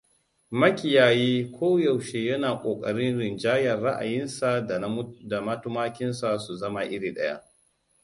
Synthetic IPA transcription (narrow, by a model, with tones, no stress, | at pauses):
mɐ˦kʲɪ˨jaː˨jiː˦kʷʰoː˦ja˨wʃeː˨jɐ˦naː˨kʷʼoː˨kʼɐ˨ɽɪ˦nɽɪ˨nd͡ʒaː˦jɐ˨rɽa˦ʔa̰˨jɪ˦nsa˨da˨da˨mɐ˦tʊ˦maː˦kʲɪ˦nsa˨su˨zɐ˦ma˨ʔɪ˦ɽiː˨ɗɐ̰˦ja̰˦ʔ